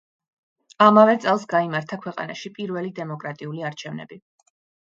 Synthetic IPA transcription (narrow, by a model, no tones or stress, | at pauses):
amavɛt̪sʼɛlˠsɡaimaɾt̪ʰakʰwɛqʼa̰na̰ʃipʼiɾvɛlid̪ɛmɔkʼɾat̪ʼiuliaɾt͡ʃʰɛvnɛ̰bi